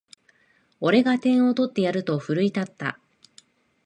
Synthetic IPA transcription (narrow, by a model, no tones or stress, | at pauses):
o̞ɾe̞ɡat̪ẽ̞ɰ̃o̞t̪o̞t̪ːe̞jaɾɯ̟t̪o̞ɸɯ̟ɾɯ̟it̪at̪ːa̰